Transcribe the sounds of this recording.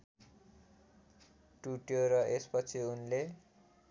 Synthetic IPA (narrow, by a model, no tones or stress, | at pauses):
ʈuʈjoɾʌʔespʌt͡sʰiunle